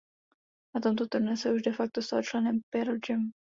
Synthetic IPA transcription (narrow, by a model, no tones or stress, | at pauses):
nat̪o̞mt̪o̞t̪ur̩nɛsɛuʒdɛfak̚t̪ost̪alot͡ʃlɛnɛmpɛɾod͡ʒɛm